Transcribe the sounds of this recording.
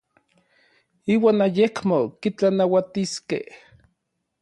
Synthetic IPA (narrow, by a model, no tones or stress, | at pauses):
iːwaːnajekmokit͡ɬanawat̪iskḛh